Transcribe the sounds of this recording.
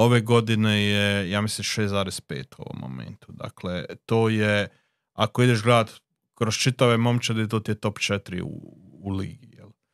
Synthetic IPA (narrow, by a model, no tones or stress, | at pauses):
o̞ʋeɡo̞d̪inejejaːmislimʃeːsaːɾespḛːt̪uo̰ʋo̰mːo̰mḛnt̪ud̪a̰klet̪oːje | akoid̪eʃɡlaːd̪ | kɾost͡ʃit̪aʋemo̞mt͡ʃed̪et̪oːt̪ijet̪o̞pt͡ʃet̪ɾḭṵː | lḭːɡijḛl